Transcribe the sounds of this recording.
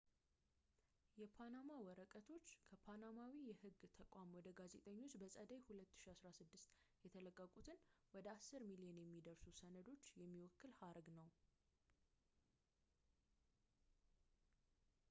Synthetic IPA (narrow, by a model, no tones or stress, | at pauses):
jɛpʰanamawɔɾəkʼət̪ʰo̞t͡ʃːkʰəpʰanamawijɛhɨɡt̪ʰəkʷʼamwɔd̪əɡaze̞t̪ʼəɲːo̞t͡ʃːbəsʼəd̪əjhulət̪ːɨ̥ʃiasɾasɨd̪ːɨst̪ | jɛt̪ʰələkʼːəkʼut̪ʰɨnwɔd̪əasːɨɾmilijɛnjɛmːid̪əɾsusənəd̪o̞t͡ʃːjɛmːiwɔkːɨlhaɾɡnəw